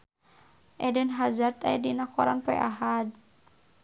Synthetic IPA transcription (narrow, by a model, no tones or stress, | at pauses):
ʔɛdənɦazart̪a̰jɛdinakɔɾa̰npɛ̰ʔaɦad̪̚